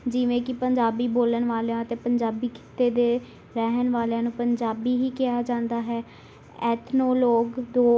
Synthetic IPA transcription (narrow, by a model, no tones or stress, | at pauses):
d͡ʒɪʋẽːkɪpəɲd͡ʒaːbiːboːlənʋaːljãːət̪ẽːpəɲd͡ʒaːbiːkʰɪ̥t̪eːd̪eː | ɾɛɦənʋaːlejãːnũːpəɲd͡ʒaːbiːɦiːkɪaːd͡ʒãːnd̪aːɦɛː | ɛːt̪ʰnoːloːɡd̪oː